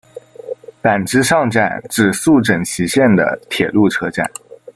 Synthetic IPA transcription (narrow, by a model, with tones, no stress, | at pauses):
pa˨˩nʈ͡ʂɻ̩˥ʂɑ˥˧ŋʈ͡ʂa̰˥˨˩nʈ͡ʂɻ̩˨˩su˥˩ʈ͡ʂə˨˩ŋɕʰi˧˥ɕjɛ˥˩nd̪ə̰˩t̪ʰjɛ˨˩lu˥˩ʈ͡ʂʰɤ˧˥ʈ͡ʂa̰˥˩˦n